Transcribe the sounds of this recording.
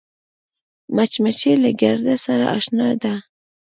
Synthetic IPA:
mat͡ʃmat͡ʃelaɡaɾd̪asaɾa̰ʔaʃnɑd̪a

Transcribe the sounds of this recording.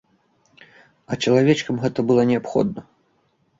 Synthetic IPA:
ɐt͡ʃɐlˠavʲɛt͡ʂkɐmɣɛt̪ɐbɨlˠɔnʲɛapxɔ̰d̪nɐ

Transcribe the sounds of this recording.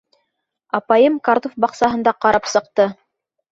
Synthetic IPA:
ɑpɑjɤmkaɾt̪ofbɑqsɑɦɤ̆nd̪ɑqɑɾɑpsɤ̆q̚t̪ɤ

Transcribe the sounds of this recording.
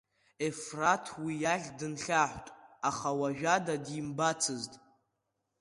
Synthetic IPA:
efratʰwijaɮʲdɨnɬʲaħʷtʼaχawaʒᶣadadimbat͡sʰɨztʼ

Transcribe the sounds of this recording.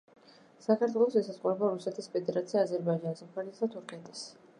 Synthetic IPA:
sakʰaɾt̪ʰwɛlˠɔsɛsasʼqʼuɾɛbaɾusɛt̪ʰispʰɛd̪ɛɾat̪sʰiaːzɛɾbaid͡ʒansɔmpʰaɾisd̪at̪ʰuɾkʰʼɛnt̪ʼɛs

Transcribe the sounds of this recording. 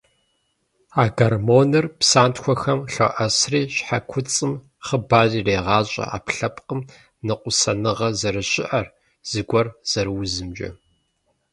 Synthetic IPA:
aːɡɐrmoːnɨrpsaːntxʷɔxɐmɬɐ̰ʔɐsriːɕħakʷʰʊt͡sʼɨm | χəbaːʑiːreːʁɑːɕʼɐ̰ʔa̰ːpɬɐpqəm | nɨqʷʼʊsɐnɨʁɐzɐɾɨɕʼɪʔɐr | z̥ɨɡʷɔrz̥ɐɾɨwʊzɨmd͡ʒʼɐ̰

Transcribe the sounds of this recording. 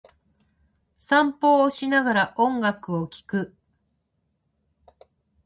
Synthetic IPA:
sãmpo̞ːɕinaɡaɾaʔõ̞ŋɡakɯ̟okʲi̥kɯ̟

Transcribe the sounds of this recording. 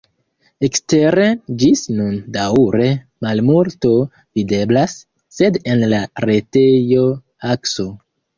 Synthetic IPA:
ekste̞ɾe̞d͡ʒisnundaɾe̞ | malmulto̞ | vide̞blasː | e̞de̞nlaɾe̞tejo̞ | akso̞

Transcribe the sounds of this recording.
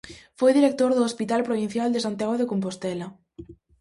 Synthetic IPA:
fojðiɾek̚t̪oɾðʊːspit̪alpɾoβin̟θjald̪esant̪jaɣoðekompost̪ɛlɐ

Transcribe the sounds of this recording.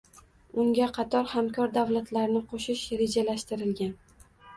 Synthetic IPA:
ʊŋɡʲaqʰɑt̪ʰɒɾhamkʰɒɾd̪avlat̪laɾnɪqʰoʃɪʃɾe̞d͡ʒalaʃt̪ɪɾɪlɡʲan

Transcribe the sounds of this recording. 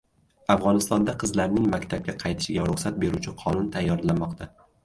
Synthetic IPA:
afʁɒnɪst̪ɒnd̪aqʰɨzlaɾnɪŋmakʲt̪ʰab̚ʲaqʰɑjt̪ʰɪ̥ʃɪɡʲaɾʊχsat̪̚be̞ɾut͡ʃʰɪqʰɒnʊnt̪ʰajːɒɾlanmɒqt̪ʰa

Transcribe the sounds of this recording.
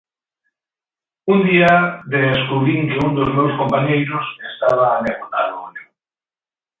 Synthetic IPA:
und̪iaðeskuβɾiŋkeund̪ozmewskompaɲejɾʊsest̪aβ̞aːneɣona̰loone

